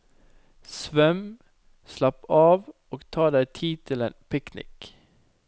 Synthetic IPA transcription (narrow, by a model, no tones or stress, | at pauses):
sʋœm | slɑpɑːʋ | oːɡt̪ʰɑːd̪æɪt̪ʰiːt̪ʰɪlḛːnpʰɪknɪ̰k